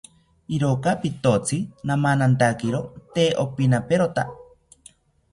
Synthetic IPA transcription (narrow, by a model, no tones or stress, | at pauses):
iɾokapit̪ot͡sʰɨnamanant̪akeɾot̪eʔopinapeɾot̪a